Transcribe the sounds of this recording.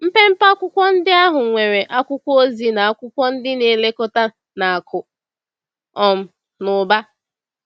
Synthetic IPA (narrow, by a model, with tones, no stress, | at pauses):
m̩˦pe˦m̩˦pa˦kʷʊ˦kʷɔ˦n̩˦dɪ˦a˦ɦʊ˨ŋʷe˨ɾe˨ʔa˦kʷʊ˦kʷo˦zi˨na˨a˦kʷʊ˦kʷɔ˦n̩˦dɪ˦ne˨le˦ko˦ta˦ | na˨a˨kʰʊ˨ | ɔ˨m̩˦ | nʊ˨ba˦